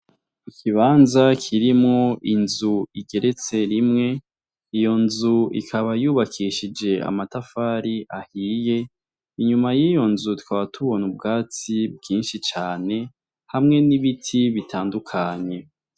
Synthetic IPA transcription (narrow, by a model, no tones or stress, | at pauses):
ikʰiβaːnzakʰiɾimŋoʔinzuiɡe̞ɾʔe̞t͡se̞ɾimŋe̞ | ijo̞nzuḭkʰaβajuːβakʰiʃid͡ʒe̞a̰matafaɾiʔahiːje̞ | iɲumajijo̞nzutu̥kaβatʰuβo̞nub̚ɡaːt͡sib̚ɡiːnʃit͡ʃaːne̞ | hamŋe̞niβitʰiβitʰaːndukʰaɲe̞